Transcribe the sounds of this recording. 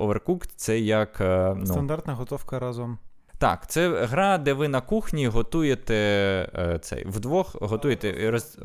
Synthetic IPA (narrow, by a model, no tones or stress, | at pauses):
ɔʋerkukt̪sɛjɐknuɐnd̪art̪nɐɦɔt̪ɔwkɐɾɑzɔm | t̪ɑ̰kt̪sɛɦɾɑd̪ɛʋɪnɐkuxnʲiɦɔt̪ujet̪ɛ | t̪sɛ̰jʋd̪ʋɔxɦɔt̪ujet̪ɛrɔzʲ